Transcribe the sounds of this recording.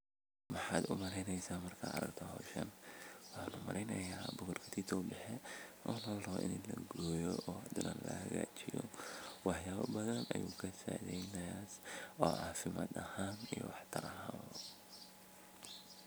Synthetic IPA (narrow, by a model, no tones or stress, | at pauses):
mɑħɑːd̪ʊmɐɾɛjnɛjsaːmɐrkʰa̰ɐɾɐɡt̪ʰɐɦɔːʃɐnwħaːnʊmɐɾʔɛjnɐjaːbʊɣʊrkʰɐ̥t̪ʰit̪ʰɔːbɛħɛʔɔːnɐlɔʔɪ̰nlɐɡɔːjɔʔɔːɐd̪ʊnɐ̰ːnlɐhɐɣa̰ːt͡ʃɪjɔwɑħjaːβɐ̰bɐðɐnɐjuːkʰɐsaʕðɛjnɐasɔːʔaːfɪma̰ːd̪ɐhaːnijɔwɑħt̪ʰɐɾɐɦaː